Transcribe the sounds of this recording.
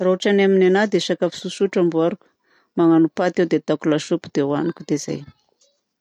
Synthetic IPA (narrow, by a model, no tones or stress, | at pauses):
rauʈ͡ʂanaminanad̪eʃakafi̥suʃuʈ͡ʂambuaɾukʲu̥ | maŋanupat̪ewd̪et̪akulaʃupud̪̥ewanikʲud̪eza̰j